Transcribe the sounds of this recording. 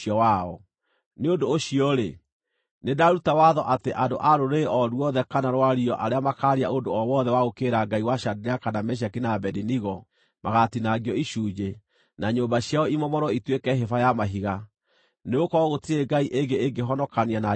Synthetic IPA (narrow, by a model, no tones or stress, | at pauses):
ɔwaɔ | neondoːɕiɔɾe | nedaɾutawaðɔʔateʔando̰ʔaɾoɾeʔɔɾwɔðɛkanaɾwaɾiɔʔaɾeamakaɾia̰ondoɔwɔðɛwaɣokeɾaɡaiwaʃadeɾeakanamɛɕ̬akinabɛdiniɣɔ | maɣatinaɡiɔiʃuːd͡ʒe | naɲombaɕjaɔimɔmɔɾɔitwekɛɦefajamaɦiɣa | neɣokɔɣotiɾeɡaiʔeɡeeŋɡeɦɔnɔkaniana